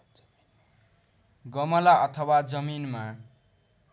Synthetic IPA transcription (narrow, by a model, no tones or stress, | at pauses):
ɡʌmʌlaʔʌt̪ʰʌwad͡zʌminma